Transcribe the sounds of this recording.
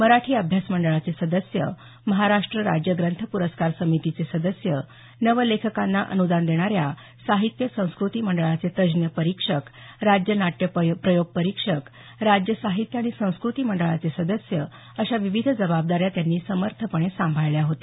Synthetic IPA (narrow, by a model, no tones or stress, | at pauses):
məɾaʈʰiːəbʱjasməɳɖəɭat͡sesəd̪əsjə̰ | məɦaɾaʂʈɾəɾa̰d͡ʑjəɡɾənt̪ʰəpuɾəskaɾsəmit̪it͡sesəd̪əsjə | nəʋəlekʰəkanːaʔə̰nud̪and̪eɽ̃aɾja | saɦit̪jəsə̃w̃skɾut̪iːməɳɖəɭat͡set̪əd͡ʑnjəpəɾikʂəkɾad͡ʑjənaʈjəpɾəjoɡ̚pəɾikʂək | ɾad͡ʑjəsaɦit̪jəaɽ̃isə̃w̃skɾut̪iːməɳɖəɭat͡sesəd̪əsjə | əɕaʋiʋid̪ʱd͡zəbab̚d̪aɾjat̪janːiːsəməɾt̪ʰəpəɽ̃esãmbʱajɭjaɦot̪e